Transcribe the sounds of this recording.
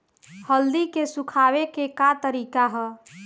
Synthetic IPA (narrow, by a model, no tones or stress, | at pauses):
həld̪ikesukʰabekekat̪əɾikaɦɔ